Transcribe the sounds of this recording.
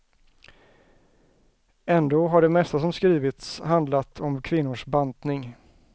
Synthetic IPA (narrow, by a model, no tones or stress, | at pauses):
ɛnd̪oːɦaɖɛmɛst̪as̬ɔmskɾiːvɪt̪shand̪lat̪ʰɔmkʰvɪnːʊʂbant̪nɪŋ